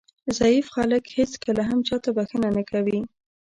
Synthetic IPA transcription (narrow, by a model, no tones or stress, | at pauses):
zajifxɑləkhet͡skəlaɦamt͡ʃɑt̪abaxənanakawi